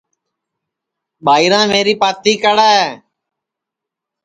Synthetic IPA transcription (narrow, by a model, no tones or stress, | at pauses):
ɓaːiːɾãːmeːɾiːpaːt̪iːkəɽaːeː